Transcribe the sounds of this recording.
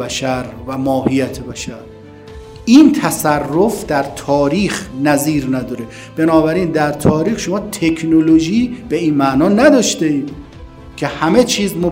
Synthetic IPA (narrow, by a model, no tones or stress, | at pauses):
bæʃæɾvæmɒːhijæt̪ʰebæʃæɾ | iːnt̪ʰæsærːofd̪æɾt̪ʰɒːɾiːxnæziːɾnæd̪ɒːɾe | b̥e̞nɒːbæɾiːnd̪æɾt̪ʰɒːɾiːxʃo̞mɒːt̪ʰe̞kʰnoloʒiːb̥e̞iːnmæʔnɒːnæd̪ɒːʃt̪eiːd̪ | kʲʰe̞hæmet͡ʃʰiːzmo